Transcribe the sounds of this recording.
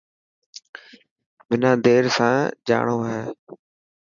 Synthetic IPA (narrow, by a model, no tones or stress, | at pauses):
ʋɪnãːd̪eːɾsãːd͡ʒa̰ːɳoːɦeː